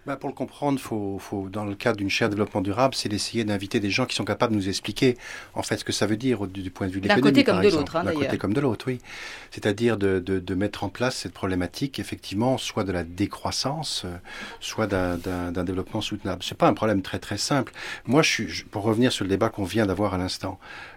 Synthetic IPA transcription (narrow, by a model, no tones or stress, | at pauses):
bapuʁləkɔ̃pχɑ̃d̪ʁfofod̪ɑ̃ləkad̪ʁd̪ynʃɛʁd̪evlɔpmɑ̃d̪yʁablsɛd̪esejed̪ɛ̃vit̪ed̪eʒɑ̃kisɔ̃kapabd̪ənuzɛksplikʲeɑ̰̃fɛt̪sə̥kəsavød̪iʁod̪ypwɛ̃d̪əvyd̪led̪kɔnoimekaʁɛɡ̪zɑ̃t̪χd̪ɛ̃kot̪ekɔmd̪əlot̪χwiset̪ad̪iʁd̪əd̪əd̪əmɛt̪χɑ̃plasːɛt̪̚pχɔblemat̪ʰikefɛk̚t̪ʰivmɑ̃swad̪əlad̪ekχwasɑ̃søːwad̪ɛ̃d̪ɛ̃d̪ɛ̃d̪evlɔpmɑ̃sut̪nablsɛpaɛ̃pχɔblɛmt̪χɛt̪χɛsɛ̃plmwaʒəsɥiʒəpuʁːəvniʁsyʁləd̪ebakɔ̃vjɛ̃d̪avwaʁalɛ̃st̪ɑ̃